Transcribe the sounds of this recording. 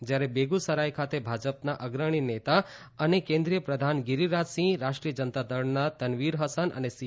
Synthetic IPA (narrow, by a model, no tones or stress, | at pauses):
d͡ʒjaɾebeɡusəɾajkʰat̪ebʱad͡ʒəpnaʔəɡɾəɽ̃inet̪a | ənekẽnd̪ɾijəpɾəd̪ʱanɡiɾiɾad͡ʒsĩɾaʃʈɾijəd͡ʒənt̪ad̪əɽnat̪ənʋiɾɦəsənə̰nes